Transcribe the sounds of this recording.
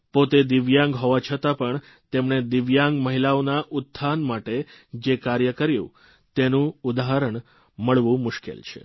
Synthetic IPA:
pot̪ed̪ɪʋjãŋɡɦoʋat͡ʃʰət̪apəɳ | t̪emɳed̪ɪʋjãŋɡməɦilaonaʔʊt̪ʰːanmaʈed͡ʒekaɾjəkəɾjṵ̃ | t̪enũud̪aɦəɾəɳ | məɭʋũmʊʃkḛlt͡ʃʰḛ

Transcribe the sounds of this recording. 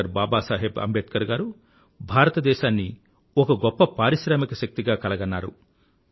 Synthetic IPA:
ɐɾbaːbaːsaːɦebɐ̰mbʱet̪kɐɾɡaːɾu | bʱaːɾɐt̪ɐd̪ɛːʃaːnːi | ɔkɐɡɔpːɐpaːɾiʃɾaːmikɐʃɐk̚t̪iɡaːkɐlɐɡɐnːaːɾṵ

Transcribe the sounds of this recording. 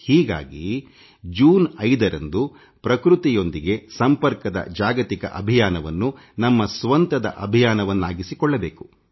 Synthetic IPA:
hiːɡa̰ːɡḭ | d͡ʒuːnɐjd̪ɐɾɐ̰nd̪u | pɾɐkɾut̪ijo̞nd̪iɡe̞sɐmpɐɾkɐd̪ɐ̰d͡ʒaːɡɐt̪ikɐ̰ʔɐbʱijaːnɐʋɐnːu | nɐmːɐsʋɐnt̪ɐd̪ɐ̰ʔɐbʱijaːnɐʋɐnːaːɡisikɔɭːɐbeːku

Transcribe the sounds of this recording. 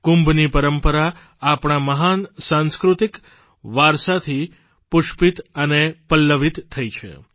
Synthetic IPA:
kumbnipəɾəmpəɾa | apɳ̃aməɦansãnskɾut̪ik | ʋaɾsat̪ʰi | pʊʃpit̪ənepəlːəʋit̪ʰːəit͡ʃʰḛ

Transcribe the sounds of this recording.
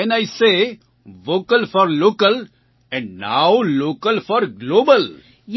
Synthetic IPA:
ɛ̃najse | ʋoːkəlfɔɾloːkəl | ɛ̃ɳɖnaʊloːkəlfɔɾɡloːbəl | j

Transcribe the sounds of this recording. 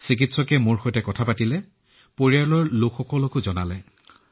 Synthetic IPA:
sik̬itsɔkɛmoɹxɔjtɛkɔtʰapatilɛ | poɹiaɹlɔɹlokxɔkɔlɔkozɔna̰lɛ

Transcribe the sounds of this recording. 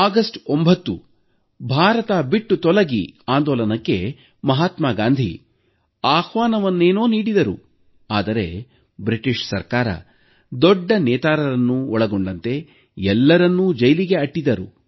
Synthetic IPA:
aːɡɐsʈombʱɐt̪ːṵ | bʱaːɾɐt̪abiʈːut̪ɔlɐɡiaːnd̪ɔːlɐnɐkːe̞ | mɐɦaːt̪maːɡaːnd̪ʱḭ | aːxʋaːnɐʋɐnːeːnoːniːɽid̪ɐɾu | aːd̪ɐɾe̞ | bɾiʈiʂsɐ̰ɾkaːɾɐ̰ | d̪ɔɖːɐnɛːt̪aːɾɐɾɐnːuɔɭɐɡoɳɖɐnt̪e̞ | ɛlːɐɾɐnːud͡ʒɐjliɡe̞ɐʈːid̪ɐɾṵ

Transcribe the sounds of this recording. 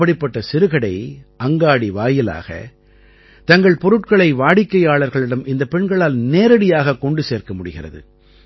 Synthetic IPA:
ɐɽɪpːɐʈːɐsɪɾɯɣɐɽɐɪʔɐŋɡaːɽiʋaːjɪla̰ːɣɐ̰ | t̪ɐŋɡɐɭpɔɾɯʈkɐɭɐɪʋaːɽɪkːɐjaːɭɐɾɣɐɭɪɽɐmʔɪnd̪ɐpːɛɳɡɐɭaːlneːɾɐɽɪjaːɣɐkɔɳɖɯseːrkɐmʊɽɯɣɪrɐ̰ðɯ̰

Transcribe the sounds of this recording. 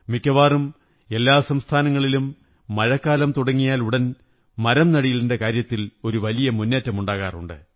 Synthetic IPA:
mikːɐʋaːrum | e̞lːaːsɐmst̪ʰaːnɐŋːɐɭilumː | ɐɻɐkːaːlɐmt̪uɽɐŋːijaːluɽɐn | mɐɾɐmnɐɽijilinde̞kaːɾjɐt̪ːilo̞ɾuʋɐlijɐmunːeːtːɐmuɳɖaːɣa̰ːrṵɳɖɨ̰

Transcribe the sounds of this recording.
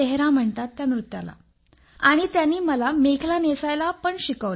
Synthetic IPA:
eɦɾãm̤əɳt̪at̪ːjanɾut̪ja̰la̰ | aɽ̃it̪janːiːməlamekʰlanesajlapəɳɕikəʋl

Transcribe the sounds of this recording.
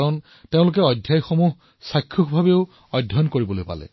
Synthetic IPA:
ɹɔn | teʊ̃lʊk̬ɛɔdʱjajxomuɦ | sajkʰːuxbʱabeʊ | ɔdʱjɔnkoɹibɔlojpa̰lɛ̰

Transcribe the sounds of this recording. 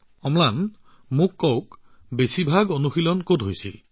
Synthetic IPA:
ɔmlan | mũkːɔwk | besibʱaɡonuxilɔnkotɦojsḭ

